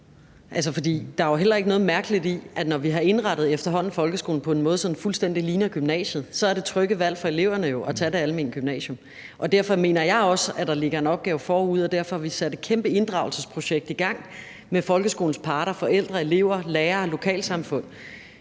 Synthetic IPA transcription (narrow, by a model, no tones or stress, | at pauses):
ʔæls̬əfɒ̽d̥ḭːd̥ɑ̈æɦel̰ɐe̝ɡ̥ənɔ̽ð̩ˠmæɐɡ̥əlid̥iʔænɒʋiɦɑ̈e̝nʁɑ̈ɾ̥ð̞̩ˠefd̥ɐɦɒ̽n̰n̩fɒ̽lɡ̥əsɡ̥o̰ːln̩pʰɒ̽e̝nmɔ̽ːðˠsɒ̽d̥n̩fulsd̥en̰d̥iliːnɐɡ̥ymnɛ̰ːɕjð̩ˠsɒ̽æɐd̥e̝t͡sʰʁœɡ̥əʋæl̰fɒ̽e̝le̝ʊ̰ɐnəjo̝ʔæt͡sʰæd̥eæləmenɡ̥ymnɛ̰ːɕom | ʔɒ̽d̥æɐfɒ̽me̝ːnɐjɑ̈ɪɒ̽səæd̥ɑ̈le̝ɡ̥ɐe̝nɒ̽b̥̚ɡ̥ɛːʊfɒːuð̞̰ˠɒ̽d̥æɐfɒ̽hɑ̈ʋisæd̥e̝d̥̚kʰemb̥əe̝nd̥ʁɑ̈ʊl̩səspʰʁo̝ɕeɡ̥̚d̥iɡ̥ɑ̈ŋ̰ | mefɒ̽lɡ̥əsɡ̥o̝ːln̩spʰɑ̈ːɾɐfɒ̽el̰d̥ʁɐe̝le̝ʊ̰ɐleːɐlo̝kʰɛ̰ːlsɑ̈mfɔ̽n̰